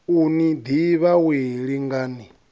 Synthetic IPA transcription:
unid̪iβaweɺiŋɡaːni

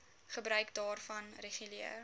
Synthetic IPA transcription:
χəbɾœɥkdɑːrfɐnreχyliɛ̰r

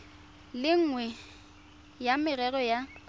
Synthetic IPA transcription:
lɪŋ̩ːŋwɛ | jamɪrɛɣɔja

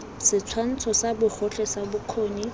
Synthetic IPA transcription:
sɪt͡sʰwan̩t͡sʰɔsabʊχʰʊɬɛsabʊkʰoːni

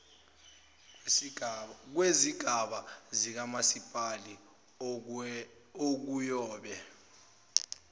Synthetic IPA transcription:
k̬weziɡ̥ʱaɓazik̬amasipʼali | ok̬ujɔːɓɛ

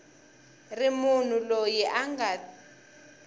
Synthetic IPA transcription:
rimun̤ulojiʔaŋɡa

